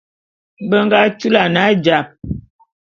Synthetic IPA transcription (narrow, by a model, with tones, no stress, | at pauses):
bə˦ŋɡa˦t͡ʃu˦la˨na˨˦d͡ʒa˨p̚